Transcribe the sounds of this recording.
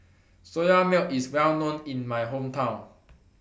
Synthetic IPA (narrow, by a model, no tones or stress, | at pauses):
sojamɛliswɛlnõnĩnmajɦõmtʰãʊ̃n